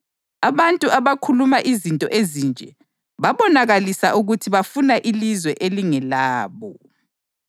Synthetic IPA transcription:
aβantʼuʔaβakʰulumaʔizintʼɔ̰ʔezind͡ʒʱɛ | βaβɔnaɣalisaʔuɣutʰiβafunaʔilizwɛʔeliŋɛlaːβɔ

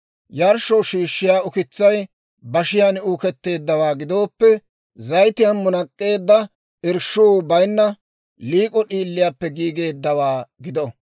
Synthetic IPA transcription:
jɐɾʃɔʃiːʃːɪjaːʊkɪt͡sːɐj | bɐʃɪjanuːkɛt̪ːe̞ːd̪ːɐwaːɡɪd̪o̞ːpːɛ | zɐjt̪ɪjɐnmʊnɐkʼːe̞ːd̪ːɐ | ʔɪɾʃːuːbɐjnːɐ | liːkʼɔɗiːlːɪjaːpːɛɡiːɡe̞ːd̪ːɐwaːɡɪd̪ɔ

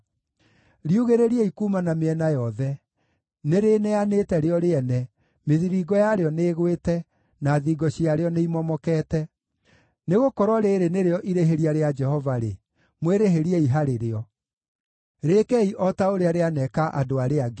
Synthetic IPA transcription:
ɾiuɣeɾeɾiɛikumanameɛnajɔðɛ | neɾeːnɛanetɛɾeɔɾeɛnɛ | meðiɾiɡɔjaɾeɔneːɣwetɛ | naðiːɡɔɕiaɾeɔneimɔmɔkɛːtɛ | neɣokɔɾwɔɾeːɾeneɾeɔʔiɾeɦeɾiaɾead͡ʒɛhɔvaɾe | mweɾeɦeɾieiɦaɾeɾeɔ | ɾekɛiʔɔtaoɾeaɾeanɛkaʔadoaɾeaɡe

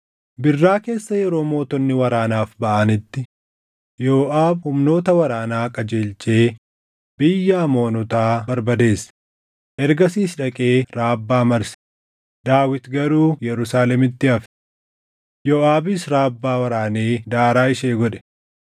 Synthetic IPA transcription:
bɪrːaːke̞ːsːɐjɛɾo̞ːmo̞ːt̪ɔnːɪwɐɾaːnaːfbɐʔɐnɪt̪ːɪ | joːʔaːbhʊmno̞ːt̪ɐwɐɾaːnaːkʼɐd͡ʒeːlt͡ʃʼe̞ː | bɪjːaːmo̞ːnɔt̪aːbɐɾbɐd̪e̞ːs | ʔɛɾɡɐsiːsᶑɐkʼe̞ːɾaːbːaːmɐɾsɪ̥ | d̪̥aːwɪt̪ɡɐɾuːjɛɾʊsaːlɛmɪt̪ːɪɐf | joːaːbɪsɾaːbːaːwɐɾaːneːd̪aːɾaːɪʃeːɡɔᶑɛ̥

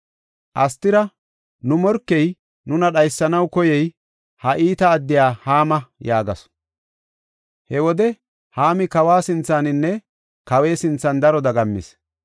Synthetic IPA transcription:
ʔɐst̪ːɪɾɐ | nʊmɔɾkːɛj | nʊnɐɗɐjsːɐnɐwkɔjɛj | hɐʔiːt̪ɐːd̪ːɪjaːhaːmɐjaːɡɐs | hɛwɔd̪ɛ | haːmɪkɐwaːsɪnt͡sːaːnɪnːɛ | kɐwe̞ːsɪnt͡sːɐnd̪ɐɾɔd̪ɐɡɐmːɪ̰s

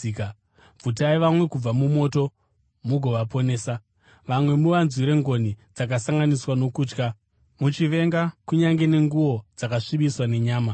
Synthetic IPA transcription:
b͡vʱut̬aiʋamwe̞kub͡vamumo̞to̞ | muɡʱo̞ʋapo̞neːsa | ʋamwe̞muʋanzwiɾe̞ŋɡo̞nid͡zakasaŋɡaniswano̞kuːt͡ʃka | mut͡ʃiʋe̞ŋɡakuɲaŋɡe̞ne̞ŋɡuwo̞d͡zakaʂiɓiswane̞ɲaːma

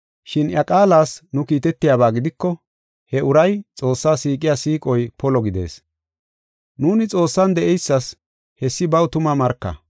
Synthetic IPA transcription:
ʃɪnjɐkʼaːlaːsnʊkiːt̪ɛt̪ːɪjaːbaːɡɪd̪ɪkːɔ | hɛʔʊɾɐjt͡sʼo̞ːsːaːsiːkʼɪjaːsiːkʼɔjpʰɔlɔɡɪd̪e̞̰ːs | nuːnɪt͡sʼo̞ːsːɐnd̪ɛʔɛjsːɐs | hɛsːɪbɐwt̪ʊmɐmɐɾkːɐ̰

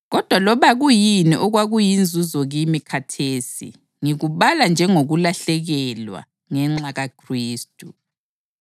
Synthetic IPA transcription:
ɣɔd̥ʱwalɔβaɣujiniʔɔɣwaɣujind͡zʱuzɔɣimikʰatʰeːsḭ | ŋiɣuβaland͡ʒʱɛŋoɣulaɬɛɣɛlwa̰ | ŋɛŋ͡ǁaɣakʰriːstʼu

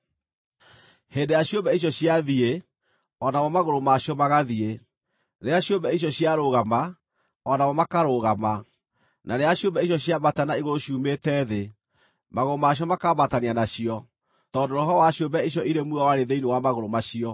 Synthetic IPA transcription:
heːndejaɕiobɛiɕ̬ɔɕiaðie | ɔnawɔmaɣoɾomaɕiɔmaɣaðie | neaɕjombɛiɕ̬jɔɕiaɾoɣama | ɔnamɔmakaɾoɣama | naneaɕjombɛiɕ̬jɔɕiaβatanaiɣoɾoɕuːmetɛːðe | maɣoɾomaɕ̬iɔmakabatanianaɕiɔ | tɔːndoɾoɦɔwaɕjombɛiɕ̬ɔʔiɾemwuawaɾeðeinewamaɣoɾomaɕiɔ

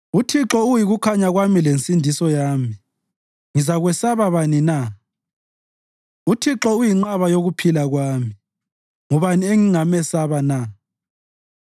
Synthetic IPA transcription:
utʰiǁɔujiɣukʰaɲaɣwamilent͡sʼindʱisɔjaːmi | ŋizaɣwɛsaβaβanina | utʰiǁɔujiŋ͡ǃaβajoɣupʰilaɣwaːmi | ŋɔβanieŋiŋamɛsaβana

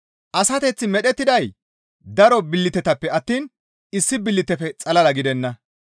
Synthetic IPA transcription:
ʔɐsɐt̪ɛt͡sːɪmɛɗɛt̪ːɪd̪ɐj | d̪ɐɾɔbɪlːɪt̪ɛt̪ɐpːɛɐt̪ːiːn | ɪsːɪbɪlːɪt̪ɛfɛt͡sʼɐlɐlɐɡɪd̪ɛnːɐ

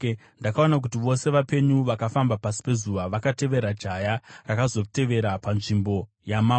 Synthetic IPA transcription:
ndakaonak̬utiʋo̞se̞ʋape̞ɲuʋakafambapasi̥pe̞zuːʋaʋakate̞ʋe̞ɾad͡ʒajarakazo̞te̞ʋe̞ɾapanʐimbo̞ | jama

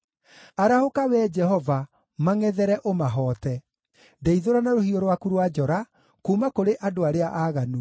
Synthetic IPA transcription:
aɾahokawɛːd͡ʒɛɦɔva | maŋɛðɛɾɛʔomaɦɔːtɛ | dɛiðoɾanaɾohiɔɾwakuɾwad͡ʒɔɾa | kuːmakoɾeʔadoaɾeaʔaːɣanu

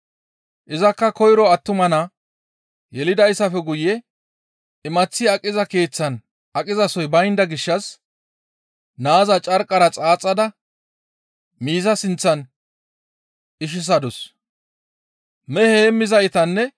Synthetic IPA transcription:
ʔɪzɐkːɐkɔjɾɔɐt̪ːʊmɐna | jɛlɪd̪ɐjsɐfɛɡʊjɛ | ɪmɐt͡sːɪɐkʼːɪzɐke̞ːt͡sːɐn | ɐkʼɪzɐsɔjbɐjnd̪ɐɡɪʃːɐs | naːzɐt͡ʃʼɐɾkʼːɐɾɐt͡sʼaːt͡sʼːɐd̪ɐ | miːzɐsɪnt͡sːɐn | ʔɪʃ̬ɪs̬ɐd̪ɔs | mɛheːmːɪzɐjt̪ɐnːɛ

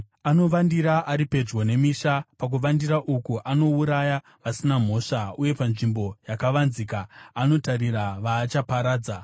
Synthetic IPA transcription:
ano̞ʋandiɾaʔaɾipe̞d͡ʒwone̞miʃapak̬uʋandiɾaʔukuʔano̞uɾaja | ʋasinam̤o̞ːʂauje̞panʐimbo̞jakaʋanzikaːno̞tariɾaʋaːt͡ʃapaɾaːd͡za

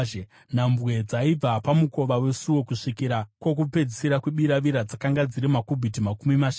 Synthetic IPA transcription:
n̤ambwe̞d͡zaib͡vapamuko̞ʋawe̞suo̞kuʂikiɾakwo̞k̬upe̞d͡zisiɾakweɓiɾaʋiɾad͡zakaŋɡad͡ziɾimakubʱitimakumimaʃ

